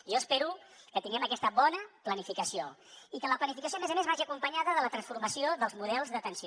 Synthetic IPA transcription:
ʒɔəspeɾukət̪iŋɡɛməkɛst̪əβɔnəplənifikəsioikələplənifikəs̬ioəmezəmezβaʒiəkumpəɲaðəðələt̪ɾənsfuɾməsioðəlˠzmuðɛlˠzðət̪ənsi

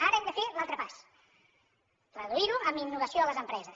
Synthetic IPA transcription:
aɾəɛnd̪əfelalˠt̪ɾəpas | rrəðuiɾuəminːuβəsioələzəmpɾɛzəs

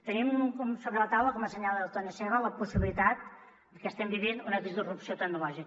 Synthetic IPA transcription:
t̪ənimkɔmsoβɾələt̪awləkɔməsəɲalˠdəlˠt̪onəsɛβələpusiβilit̪at̪̚ | d̪əkɛst̪ɛmbiβinunəðizðurupsiot̪əɡ̚nulɔʒik

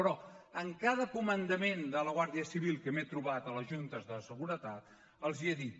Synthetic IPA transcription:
pɾɔəŋkaðəkumənd̪əmend̪ələɣ̞waɾðiəsiβilˠkəmet̪ɾuβat̪ələʒunt̪əzðəsəɣuɾət̪at̪̚ | əlˠzieðit̪̚

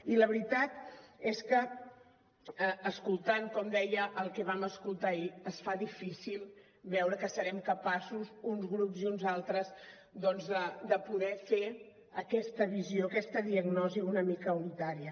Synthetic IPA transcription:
iləβɾit̪at̪eskə | skulˠt̪aŋkɔmd̪ɛjəʔːlˠkɛβaməskulˠt̪aiəsfaðifisilˠ | βɛwɾəkəsəɾɛmkəpasuzunzɣɾupziunzalˠt̪ɾəz | d̪ɔnzðəd̪əpuðɛfe | əkɛst̪əβizioəkɛst̪əðiəɣnɔziunəmikəunit̪aɾiə

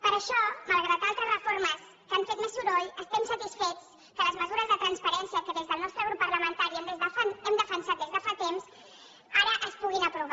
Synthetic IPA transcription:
pəɾəʃɔməlˠɣɾat̪alˠt̪ɾəzrəfoɾməs | kaɱfet̪misuɾɔjəst̪ɛmsət̪isfet͡s | kələzməzuɾəzðət̪ɾənspəɾɛnsiəkəðezðəlˠnɔst̪ɾəɣɾupːərləmənt̪aɾiɛmfaɛmd̪əfənsat̪d̪ezðəfat̪ems | aɾəʔəspuɣ̞inəpɾuβ

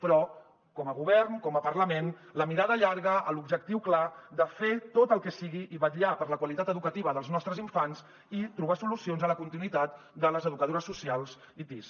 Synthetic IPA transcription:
pɾɔ | kɔməɣuβɛɾnkɔməpəɾləmenləmiɾaðəʎaɾɣəʔəlubʒək̚t̪iwklad̪əfet̪ot̪əlˠkɛsiɣiʔiβəʎapəɾləkwəlit̪at̪əðukət̪iβəðəlˠznɔst̪ɾəziɱfanz | it̪ɾuβ̞asulusionzələkunt̪inwit̪at̪ | d̪ələzəðukəðoɾəsːusialˠz | it̪is

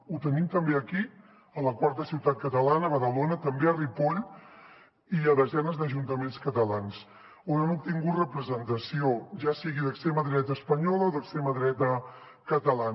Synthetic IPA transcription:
ut̪ənimt̪əmbeəki | ələkwaɾt̪əsiwt̪at̪̚kət̪əlanəβəðəlonət̪əmbeəripoʎ | iəβəzɛnəzd̪əʒunt̪əmenskət̪əlans | onanup̚t̪iŋɡut̪rəpɾəzənt̪əsioʒasiɣiðəkst̪ɾɛməðɾɛt̪əːspəɲɔləoðəkst̪ɾeməðɾɛt̪ə | kət̪əlan

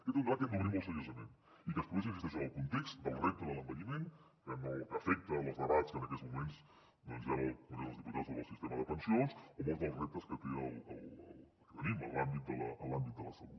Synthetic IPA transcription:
kit̪und̪βat̪kənəβɾiməlˠsəʎoʒəmḛn | ikəspuɣes̬ĩɱfist̪ɛʃ̬əəlˠkunt̪ekst̪d̪əlˠrɛp̚t̪əðələmbəɲimen | kənoəfɛk̚t̪ələzðəβat͡skənəkɛzmumens | d̪ɔnzaβəlˠpuneðəlˠzðiput̪azoβəlˠsist̪eməðəpənsionsomolˠzðəlˠzrɛp̚t̪əskət̪eə̰lˠəlˠəl | kəβəɾimə̰lambit̪̚d̪ələ̰ʔəlambit̪̚d̪ə̰lə̰səlut̪

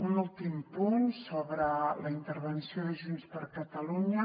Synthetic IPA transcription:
unulˠt̪impunsoβɾələint̪əɾβənsioðəʒunspəɾkət̪əluɲə

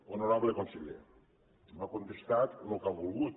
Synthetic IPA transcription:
onoɾaβlekonseʎḛɾ | makont̪est̪at̪nokaβulˠɣut̪

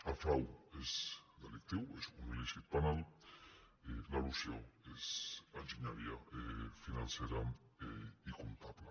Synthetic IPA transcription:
afɾawezd̪elik̚t̪iwesumiliʃit̪̚panal | elalusjoesanʒiɲaɾiaefinanseɾaeikunt̪aβla

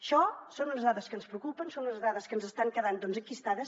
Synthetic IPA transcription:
əʃɔsonunəzðaðəskənspɾəukupənsonunəzðaðəskənzəst̪aŋkəðand̪ɔnzəŋkist̪aðəs

